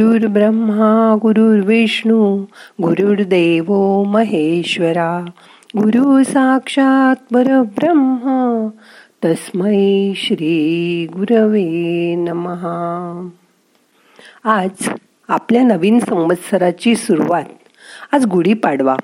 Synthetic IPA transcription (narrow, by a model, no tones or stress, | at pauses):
uːɾbɾəmːaɡuɾuɾʋeʂɳuɡuɾuɾd̪eʋoməɦeɕʋəɾa | ɡuɾusakʂat̪̚bəɾəbɾəmɦə | t̪əsməjɕɾiːɡuɾʋenməɦa | ad͡z | apljanəʋiːnsə̃wʋət̪səɾat͡ɕiːsuɾuʋat̪̚ | ad͡zɡuɽiːpaɽʋa̰